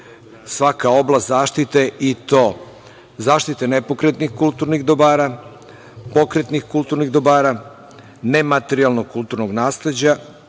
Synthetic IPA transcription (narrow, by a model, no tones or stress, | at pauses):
sʋakao̞blast̪zaːʃt̪it̪e̞ʔit̪o̞ː | zaːʃt̪it̪enepo̞kɾet̪nixkulˠt̪uɾniɣd̪obaːɾa | po̞kɾet̪nixkulˠt̪uɾniɣd̪obaːɾa | nemat̪eɾialnoɡ̚kulˠt̪uɾnoɡnaːsle̞d͡ʑa